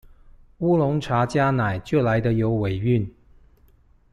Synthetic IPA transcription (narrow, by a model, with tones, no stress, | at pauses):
u˥lʊ˧˥ŋʈ͡ʂʰa˧˥t͡ɕja˥na˨˩ɪt͡ɕjo˥˩la˧˥ɪd̪ə˧jo˧˥ʊwe˨˩ɪy˥˨n